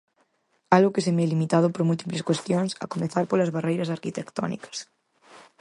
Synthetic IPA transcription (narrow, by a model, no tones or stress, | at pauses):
alɣʊkesemeɛlimit̪að̞ʊpoɾmult̪ipleskwest̪joŋsɐ̰komeθaɾpolazβarejɾɐsaɾkit̪ekt̪ɔ̰nḭkɐ̥s